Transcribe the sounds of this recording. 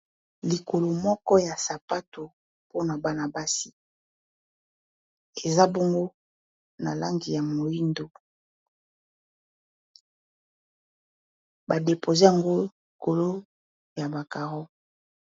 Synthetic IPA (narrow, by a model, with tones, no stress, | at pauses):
li˨ko˨lo˨mɔ˦kɔ˦ja˨sa˨pa˦to˨ | po˦na˨ba˦na˨ba˦si˦ | e˨za˦bɔ˦ŋɡo˦ | na̰˨la˦ŋɡi˨ja˨mo˨ji˦ndo˨ | ba˨de˨pʰo˨ze˦a˨ŋɡo˦i˨ko˨lo˦ | ja˨ba˨ka˨ʁɔ˦